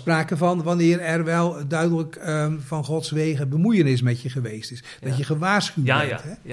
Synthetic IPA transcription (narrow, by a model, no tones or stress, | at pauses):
spraːkəvɑnʋanɪːrɛrʋɛlˠdœɥdələkvɑnχɔtsʋejɣəbəmujənɪs̬mɛtjəχəʋejstɪs | d̥ɔtjəχəʋaːsχyɛtɦɛ